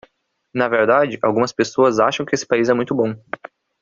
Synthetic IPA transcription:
nɐveɾd̪ad͡ʒɪʔawɡũmɐspesoɐzaʃɐ̃w̃kɪesɪ̥paizɛmũj̃t̪ʊbõ

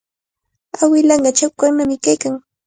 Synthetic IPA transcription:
awɪlɑɴɢɑt͡ʃawkaɾnamɪkajkaŋ

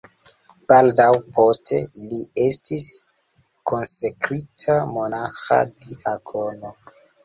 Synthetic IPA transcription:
b̥aldawpʰo̞stʰe̞̰lie̞stʰis | kʰo̞nsekɾitʰamo̞naxa̰diʔaɡo̞no

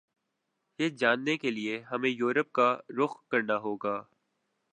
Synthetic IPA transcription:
jeːd͡ʒaːnːekelieɦɐmẽjuːɾəp̚kaɾʊxkɐɾnaɦoːɡaː

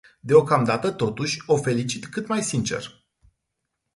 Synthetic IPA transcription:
d̪e̞o̞kamd̪at̪ət̪o̞t̪uʃʲo̞fe̞lit͡ʃit̪kɨt̪majsint͡ʃe̞̰r

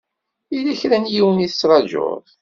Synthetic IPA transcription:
ilæçɾænjiwəniθə̥sɾˤɑd͡ʒʊ̰ɾˤ

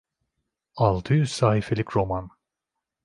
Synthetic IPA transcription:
alˠt̪ʰɯjyz̥saːhifelʲikɾo̞man

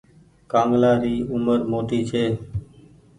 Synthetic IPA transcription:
kãːŋɡlaːɾiːʊməɾmoːt̪iːt͡ʃʰeː

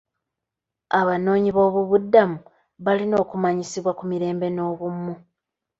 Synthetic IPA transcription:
aβano̞ːɲiβo̞ːβuβudːamu | βalino̞ːkumaɲisiβwakumiɾe̞ːmbe̞no̞ːβumːu

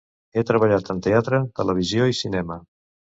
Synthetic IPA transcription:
et̪ɾəβəʎat̪ənt̪eat̪ɾət̪ələβ̞izjoisinɛmə

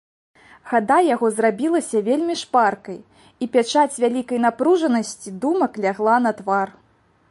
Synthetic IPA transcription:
ɣad̪ajaɣɔzrabʲilˠɐsʲɐvʲelʲmʲiʂparkɐj | ipʲat͡ʂat͡sʲvʲalʲikɐjn̪apɾuʐɐnɐsʲt͡sʲid̪umɐklʲaɣlˠanɐt̪var

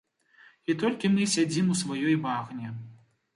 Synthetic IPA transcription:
it̪ɔlʲkʲimɨsʲad͡zʲimusvajɔjvaɣnʲɛ

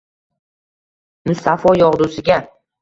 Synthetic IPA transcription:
mʊst̪afɒjɒʁd̪usɪɡʲa

